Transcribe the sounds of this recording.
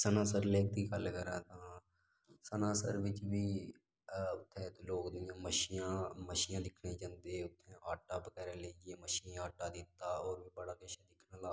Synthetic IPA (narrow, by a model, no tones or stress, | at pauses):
sənaːsəɾleːk̚d̪iːkəlkəɾãːt̪ãː | sənaːsəɾʋɪt͡ʃbiː | ʊt̪ʰːeːt̪oloːkd̪ɪːãːməʃiãːməʃiːjãːd̪ɪkʰnẽːt͡ʃãnd̪eːʊt̪ʰːẽːʔaːʈaːbəɡɛːɾeːleːd͡ʒeːməʃiːaːʈaːd̪ɪt̪ːaːɔːɾʋiːbəɽaːkəʃaːd̪ɪkʰnaːlaː